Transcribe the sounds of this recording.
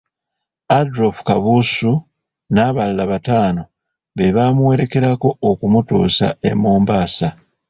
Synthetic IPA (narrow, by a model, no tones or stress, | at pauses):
adɾofkaβusu | naːβalːaβataːno̞ | βe̞βaːmuwe̞ɾe̞ke̞ɾako̞ːkumutṵːsa̰e̞̰muːmbaːsa